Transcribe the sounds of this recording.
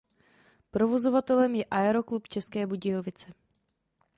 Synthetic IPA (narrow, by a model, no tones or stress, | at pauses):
pɾovo̞zo̞vat̪ɛlɛmjɛʔaɛɾo̞klupt͡ʃɛskɛːbuɟɪjovɪt͡sɛ